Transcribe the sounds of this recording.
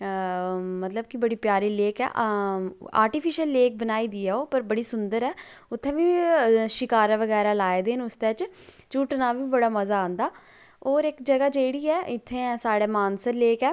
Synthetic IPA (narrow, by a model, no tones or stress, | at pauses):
mət̪ləb̚kɪbəɽiːpjaːɾiːleːkɛ̰ː | a̰ːɾʈipʰɪʃəlːeːk̚bənaːiːd̪iːɛːoːpəɾbəɽiːsʊnd̪əɾɛː | ʊt̪ʰːẽːʋiːʃɪkaːɾɛʋəɡɛːɾaːlaːeːd̪eːnʊst̪ɛːt͡ʃ | t͡ʃuːʈnaːʋiːbəɽaːməzaːãːnd̪aː | oːɾɪkd͡ʒəɡaːd͡ʒeːɽiːɛːʔɪt̪ʰːẽːsaːɽeːmaːnsəɾleːkɛː